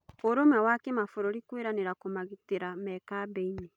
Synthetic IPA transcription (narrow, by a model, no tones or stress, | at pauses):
oɾomɛwakemafoɾɔɾikweɾaneɾakomaɣiteɾamɛkabɛine